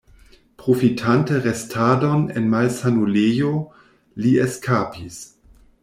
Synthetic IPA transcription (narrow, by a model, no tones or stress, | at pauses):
pʁofitʰantəʁestʰaːdonenmalsanulejo | lieskʰaːpis